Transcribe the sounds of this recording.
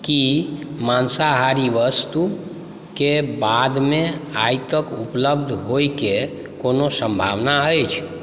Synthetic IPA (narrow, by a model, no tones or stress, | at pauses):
kimansaɦaɾiʋəst̪u | kebad̪mẽajt̪əkupləb̚d̪ʱɦojke | konosəmbʱa̰ʋnaəjt͡ʃʰ